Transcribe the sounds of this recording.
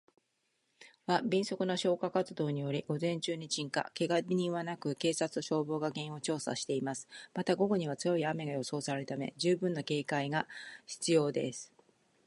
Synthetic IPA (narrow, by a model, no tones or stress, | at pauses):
βabʲĩɰ̃so̞kɯ̟no̞ɕo̞ːkakat͡sɨd̪o̞ːɲ̟ijo̞ɾʲiɡ̥o̞zẽ̞ɲt͡ɕɨːɲ̟it͡ɕĩŋka̰ke̞ɡabʲiɲ̟ĩβanakɯ̟ke̞ːsat͡sɨ̥oɕo̞ːbo̞ːɡaɡẽ̞ɰ̃o̞t͡ɕo̞ːsa̰ɕi̥t̪e̞imasɨ̥mat̪aɡo̞ɡo̞ɲ̟iβat͡sɨjo̞iame̞ɡajo̞so̞ːsaɾeɾɯt̪ame̞̰d͡ʑɨːbɯ̟̃nːake̞ːkaiɡaçi̥t͡sɨjo̞ːd̪e̞̰sɨ̥